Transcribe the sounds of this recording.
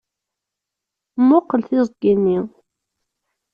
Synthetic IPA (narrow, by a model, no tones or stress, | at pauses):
mːʊqːəlθɪzˤɡinːi